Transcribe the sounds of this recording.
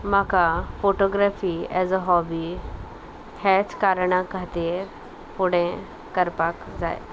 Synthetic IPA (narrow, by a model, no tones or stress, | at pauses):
makafoʈɔɡɾafiɛzəɦɔbi | hɛt͡skaɾɳ̃ãkat̪iːɾ | puɽẽ | kəɾpakd͡za̰j